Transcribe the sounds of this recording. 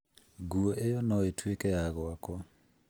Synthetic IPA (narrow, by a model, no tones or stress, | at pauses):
ɡuɔʔejɔnɔetwekɛjaɣɔakwɔ